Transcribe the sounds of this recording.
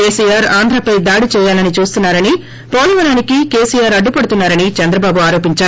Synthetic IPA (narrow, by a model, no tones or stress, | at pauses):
keːsijaːɾaːnd̪ɾɐpɐjd̪aːɽit͡ʃɛːjaːlɐnit͡ʃuːst̪unːaːɾɐni | poːlɐʋɐɾaːnikike̞ːsijaːɾɐɖːupɐɽut̪unːaːɾɐnit͡ʃɐnd̪ɾɐbaːbuaːɾo̞ːpiɲt͡ʃaːɾu